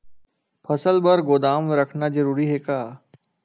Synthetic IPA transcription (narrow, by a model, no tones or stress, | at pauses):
pʰəsəlbəɾɡoːd̪aːmɾəkʰnazəɾuːɾiɦeːkaː